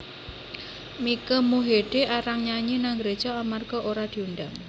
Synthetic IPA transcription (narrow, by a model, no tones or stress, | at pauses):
mikəmuɦeɖ̥eʔaɾaŋɲaɲinaŋɡɾed̥d͡ʒ̥aamarɡ̥ɔʔoɾad̪̥i̤unɖaŋ